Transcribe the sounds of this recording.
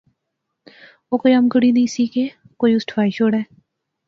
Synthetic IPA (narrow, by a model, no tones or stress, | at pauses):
oːkoːiːəmkəɽiːd̪iːsiːkeː | koːiːʊsʈʰʋaːiːʃoːɽɛː